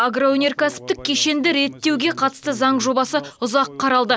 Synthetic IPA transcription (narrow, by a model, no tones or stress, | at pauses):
aɡroɵnʲe̞rkʲʰæsɪ̥p̚t̪ɪk̚ʲʰːe̞ʃe̞nd̪ɪɾe̞t̪ːe̞wɡʲe̞qʰɑt̪ə̥st̪əzɑɴʒo̞bɑsəʊzɑqqʰːɑɾɑlˠd̪ə